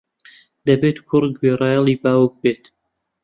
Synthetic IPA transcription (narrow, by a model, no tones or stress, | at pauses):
d̪ɐbet̪kʰʊɾɡberɑːjɑlˠibaːwək̚beːt̪